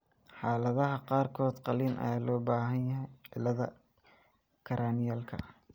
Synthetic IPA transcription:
ħɑːlɐðɐɦɐqɑːrkʰɔːd̪qɑliːnʔɐ̰jaːlɔːbaːɦɐnjɐɦɛjʕɪlɐðɐ | kʰɐɾʔaːnɪjaːlkʰɐ̰

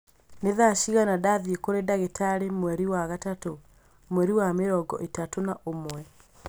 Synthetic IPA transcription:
neðaʃiɣanadaðekoɾedaɣetʰaɾemwɛɾiwaɣatato | mwɛɾiwameɾɔɡɔ̰ʔetatonaʔomwɛ

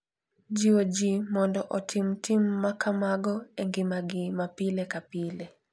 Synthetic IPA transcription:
d͡ʒiwod͡ʒimɔndɔʔɔtʰɪmtimːakamaɡɔɛŋɡɪmaɡɪmapilekapile

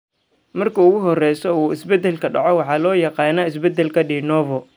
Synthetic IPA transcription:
mɐrkʰɐʊɣʊɦɔrɛjsɔuːɪsbɛd̪ːɛlkʰɐɖɑ̰ʕɔwɑħɑːlɔːjɑqɑːnaːɪs̬bɛd̪ːɛlkʰɐɖiːnɔːvɔ

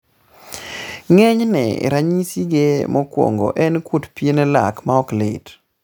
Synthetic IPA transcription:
ŋɛɲnɛ̰ɾaɲisiɡemɔkwɔ̰ŋɡɔ̰ʔɛnkutpienɛla̰kmaɔklɪ̰t

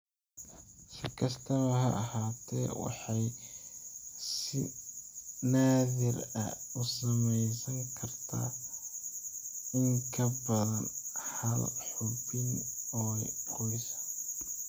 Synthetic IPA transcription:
sɪkʰɐst̪ʰɐβɐɦɐ̰ʔɑhaːt̪ʰɛ̰ːwɑ̰ħɑj | sɪ | naːðɪrɐ̰ʊsɐmɛjsɐŋkʰɐrt̪ʰa̰ː | ɪŋkʰɐbɐðɐnhɐlħʊbɪnɔjqɔjsɐ̥

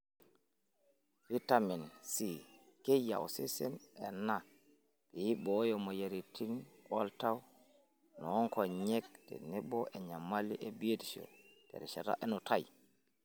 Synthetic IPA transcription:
fitaminsikeja̰wsɛsɛnɛnːa | b̥ɛjiɓɔjɔmɔjaɾitʰinkɔltaw | nɔɔŋkɔɲɛk̚tɛ̰nɛɓɔʔɛɲamːaliʔɛbiedisɔ̰d̥ɛ̰ɾɛʃata̰ʔɛnɔtaj

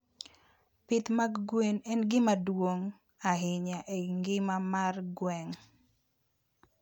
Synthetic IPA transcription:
pɪt̪maɡɡwenɛnɡɪmadwoŋ | aɦɪɲaʔeŋɡɪmamarɡwɛŋ

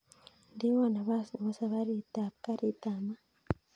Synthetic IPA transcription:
ndiβanaβasβosaβaɾitakaɾitama

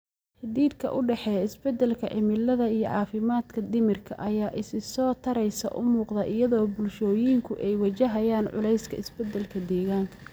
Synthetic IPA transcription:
ħɪd̪iːd̪kʰɐ̰ʔʊɖɛħɛɪsbɛd̪ɛlkʰɐ̰ʕɪmɪlɐðɐijɞ̰ʕɑːfɪmaːd̪kʰɐd̪ɪmɪrkʰɐʔɐjaːʔɪsɪsɔːt̪ʰɐɾɛjsɐ̰ʔʊmuːqd̪ɐʔɪjɐðɔːbʊlʃɔːjiŋkʰʊʔɛjwɐt͡ʃɐɦɐjaːnʕʊ̰lɛjskʰɐɪsbɛd̪ɐlkʰɐd̪ɛːɣaːŋkʰɐ̥

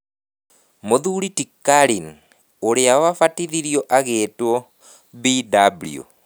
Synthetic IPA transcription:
moðuɾitikːaɾin | oɾeawafatiðiɾjɔʔaɣeːtwɔ | bidablḭo̰

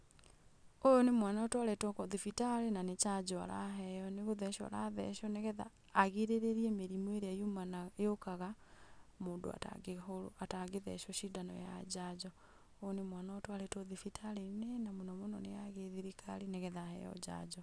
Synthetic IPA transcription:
ojonemwanaɔtwaɾɛtɔkɔðifitaɾenanet͡ʃad͡ʒɔa̰ɾa̰ɦɛjɔneɣoðɛʃɔa̰ɾaðɛ̰ʃɔnɛɣɛða̰ː | ɣeɾeɾeɾiemeɾimweɾeajumanaejokaɣa | moːndo̰a̰ta̰ɡooataɣeðɛ̰ʃɔʃidanɔ̰ja̰d͡ʑaːd͡ʑɔ | ojonemwanaɔtwaɾɛtɔðifitʰalenɛnamonɔmonɔnejaɣeðiɾikʰa̰ɾinɛɣɛðahɛ̰jɔ̰ɟa̰d͡ʒɔ

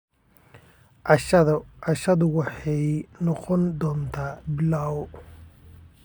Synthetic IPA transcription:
ʔɑʃðʊʔɑʃɐðʊwɑħɑjnɔqɔnd̪ɔːnt̪ʰaːbɪlaːw

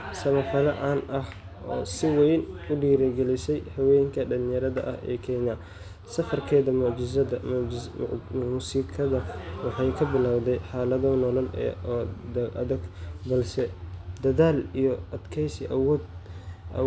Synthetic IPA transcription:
sɐmɐfɐlɐʔaːnʔɐh | ʔɔːsɪwɛjnʊɖiːɾɛɡɛlɪsɛjhɐwɛːjŋkʰɐɖɐlɪnjɐɾɐðɐ̰ʔɐhɛ̰ːkʰɛjnaː | sɐfɐrkʰɛːðɐmʊʕd͡ʒɪzɐdɐ | musiːkʰɐðɐwɑħɑjkʰɐbɪlaːwd̪ɛjħɑːlɐðɐnɔlɐlɛ̰ːd̪ʔɐ̰ðɐɡbɐlsɛd̪ɐðaːlijɔʔɐd̪kʰɛjsɪʔɐwɔːd̪̰

